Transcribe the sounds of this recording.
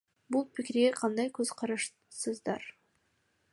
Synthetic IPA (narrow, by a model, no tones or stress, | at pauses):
bulˠpikiɾɡeqʰɑnd̪ɑjkɵz̥qʰɑɾɑʃ | sɯzd̪ɑɾ